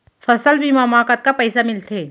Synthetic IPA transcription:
fɐsəlbʱimaːmaːkət̪̚kapɛɪsamɪlt̪ʰeː

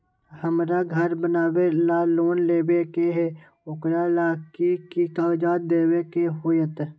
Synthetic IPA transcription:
həmɾaɡʱəɾbənaːwelaloːnleːbekeɦe | ʊkɾalaːkikit̪aːd͡ʒaːd̪d̪eːwekeɦoːjət̪

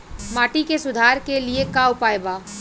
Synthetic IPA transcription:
maːʈikesʊd̪ʱaːɾkeliekaːwpaːjbaː

